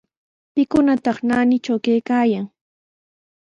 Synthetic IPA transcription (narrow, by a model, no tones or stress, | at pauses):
pɪkʊnat̪ɑχnaːnɪt͡ʃawkajkaːjaŋ